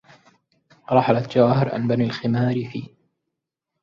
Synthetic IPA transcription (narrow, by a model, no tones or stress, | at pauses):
ɾˤɑħalat̪d͡ʒawaːhɪɾʕa̰nbanaːlxɪmaːɾɪfḭː